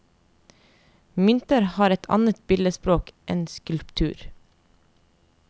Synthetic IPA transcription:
mʏnt̪əɾhɑːɾɛt̪ʰɑ̰nət̪̚bɪləspɾoːkʔɛnskʉlpt̪ʰʉːɾ

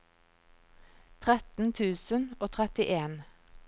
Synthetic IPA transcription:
t̪ʰʁɛt̪n̩t̪ʰʉːsənoːt̪ʰʁɛt̪ɪʔeːn

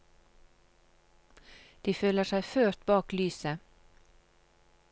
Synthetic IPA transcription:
d̪̥iːføːləʃæɪføːɾt̪bɑːklyːsə

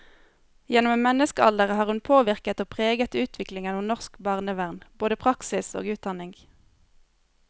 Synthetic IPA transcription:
jɛnʊmemɛnəskəɑ̰ld̪əʁəhɑːʁhʉnpʰoːʋɪʁkət̪oːpʰʁeːɡət̪ʉːt̪ʰʋɪklɪŋənuːnɔʁskbɑːʁnəʋæʁnboːd̪əpʰʁɑksɪso̰ːɡʉːt̪̚d̪ɑnɪŋɡ

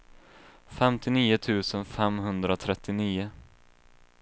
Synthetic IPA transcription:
fɛmt̪ɪniːʊt̪ʰʉ̟ːsənfɛmɦɵnd̪ɾat̪ʰɾɛt̪ːɪniːʊ

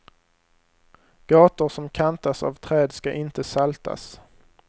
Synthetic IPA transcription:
ɡ̥ɑːt̪ʊɾsɔmkʰant̪asa̰vt̪ʰɾɛːd̪skaʔɪnt̪əsalt̪ʰa̰s

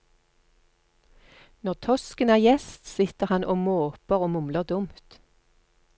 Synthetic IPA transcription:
nɔʁt̪ʰɔskənæːʁjɛst̪sɪt̪əʁhɑnʔoːmoːpəʁoːmʊmləʁd̪ʊmt̪

